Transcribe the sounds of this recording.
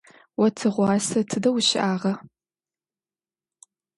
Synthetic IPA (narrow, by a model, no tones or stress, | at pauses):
wɐtʰɨʁʷɑːsɐtʰɨdɐwʃɪʔaːʁɐ